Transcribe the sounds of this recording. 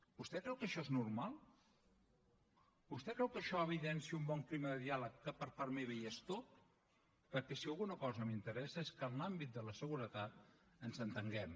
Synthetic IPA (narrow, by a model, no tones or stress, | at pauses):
bust̪ɛkɾɛwkəʃɔeznuɾmalˠ | bust̪ɛkɾɛwkəʃɔəβ̞iðɛnsiəumbɔŋkliməðəðialəkːəpəɾpaɾmeβɛjest̪ot̪̚ | pəɾkɛsiəlˠɣunəkɔzəmint̪əɾɛsəeskənlambit̪̚d̪ələsəɣuɾət̪at̪̚ | ənzənt̪əŋɡɛm